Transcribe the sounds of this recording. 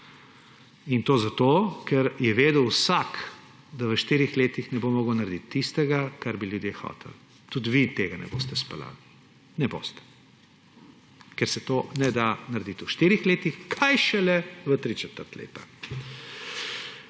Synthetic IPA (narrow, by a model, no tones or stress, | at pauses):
int̪oːzat̪okɛɾjɛʋeːd̪əwsak | d̪aʋəʃt̪iːɾixleːt̪ixnɛbomɔːɡəwnaɾd̪it̪ːist̪ɛɡakaɾbiljud̪jexɔ̰ːt̪ʰɛ̰l | t̪ud̪ʋit̪eːɡanɛ̰bo̰ːst̪ɛspɛla̰ːli | nɛbo̰ːst̪ɛ̥ | kɛɾsɛt̪oːnɛd̪anaɾd̪it̪uʃt̪iːɾixleːt̪ixkʰajʃɛlɛʋət̪ɾit͡ʃɛt̪əɾt̪lḛːt̪a